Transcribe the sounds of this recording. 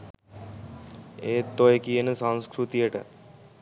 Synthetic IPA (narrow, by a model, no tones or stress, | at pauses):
eːt̪ːojekienəsãnskɾut̪ieʈə̰